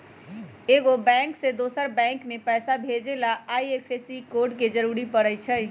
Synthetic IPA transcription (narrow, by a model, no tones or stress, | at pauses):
eɡobɛ̃ŋksẽd̪osəɾbɛ̃ŋkmepəsabʱed͡ʒelaaiepʰesikoɾɖked͡ʒəɾuɾipəɾəjt͡ʃʰəj